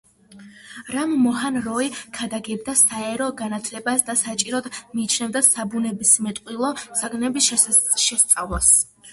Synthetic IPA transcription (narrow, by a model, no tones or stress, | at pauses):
ɾamːɔɦanɾɔikʰad̪aɡɛbd̪asaɛɾɔɡanat̪ʰlɛbasd̪asat͡ʃʼiɾɔd̪miːt͡ʃʰnɛvd̪asabunɛbismɛt̪ʼqʼwilˠɔz̥aɡnɛbiʃɛst̪sʼavlˠas